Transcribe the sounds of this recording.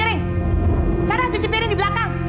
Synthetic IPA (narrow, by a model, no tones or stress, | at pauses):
ɾɪŋ | saɾahd͡ʒut͡ʃipeɾɪŋdibəlakaŋ